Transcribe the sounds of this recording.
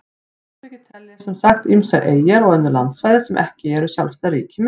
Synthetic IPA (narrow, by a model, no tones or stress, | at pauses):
t̪ɛcɪt̪ʰɛlːɪsɛmsaxt̪imsaɾʔeːjaɾɔɣœnːʏɾla̰nt̪svaːjðɪɾsɛmʔɛ̰hcɪɛɾʏsjawlst̪aɾiːcɪm